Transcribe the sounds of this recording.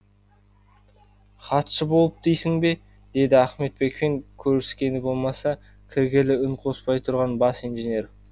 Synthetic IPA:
χɑt̪ʃəbo̞lˠəp̚d̪̥ijsɪŋbe̞ | d̪̥e̞d̪ɪæχme̞t̪̚be̞kpeŋkʲʰɵɾsɪ̥skʲe̞nd̪ɪbo̞lˠmɑsɑ | kʲʰɪɾɡʲelɪʏŋqʰo̞spɑjt̪ʰʊɾʁɑnbɑsijnʒenʲe̞ɾ

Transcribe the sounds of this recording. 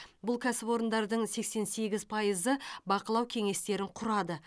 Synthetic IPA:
bʊlˠkʲʰæsɪpo̞ɾənd̪ɑɾd̪əɴse̞kse̞nse̞ɡʲɪzpʰɑjəzəbɑqəlˠɑwkʲʰe̞ŋe̞st̪e̞ɾɪɴqʰʊɾɑd̪ə

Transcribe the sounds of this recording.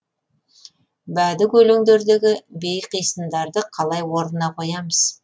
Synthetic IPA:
bæd̪ɪkʲɵleŋd̪e̞ɾd̪eɡʲɪbe̞jqijsənd̪ɑɾd̪əqʰɑlˠɑjwo̞ɾnənɑqʰo̞jɑməz̥

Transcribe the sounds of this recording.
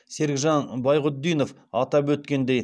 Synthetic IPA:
se̞ɾɡʲʒɑnbɑjʁʊd̪ːijno̞f | ɑt̪ɑpwɵt̪kʲe̞nd̪e̞j

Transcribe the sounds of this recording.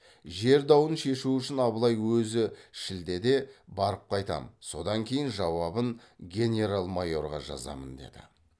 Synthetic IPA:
ʒe̞ɾd̪ɑwənʃe̞ʃuʏʃɪnɑbəlˠɑjwɵzɪʃɪld̪e̞d̪e̞bɑɾəp̚qʰɑjt̪ɑ̰məso̞d̪ɑŋkʲʰe̞jɪnʒɑwɑbənɡʲe̞nʲe̞ɾalˠmajo̞ɾʁɑ̰ʒɑ̰zɑ̰mənd̪e̞̰d̪ɪ̰

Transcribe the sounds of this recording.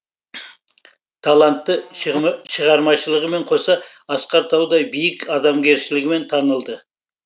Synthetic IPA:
t̪ʰalˠant̪ːə | ʃəʁɑɾmɑʃəlˠəʁəme̞ɴqʰo̞sɑ | ɑsqɑɾt̪ʰɑwd̪ɑjbijɪkɑd̪ɑmɡʲe̞ɾʃɪlɪɡʲɪme̞nt̪ʰɑnəlˠd̪ə

